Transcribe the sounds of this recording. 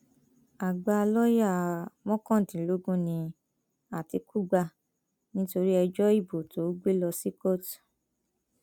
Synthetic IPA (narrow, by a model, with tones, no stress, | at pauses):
a˨ɡ͡ba˧lɔ˦ja˦˨mɔ̃˦kɔ̃˦˨tĩ˨lo˦ɡũ˦nĩ˧ | a˨ti˧ku˦ɡ͡ba˧ | nĩ˦to˧ɾi˦ɛ˧d͡ʒɔ˦i˦˨bo˨tʰo˨˦ɡ͡be˦lɔ˧si˦ko˦˨t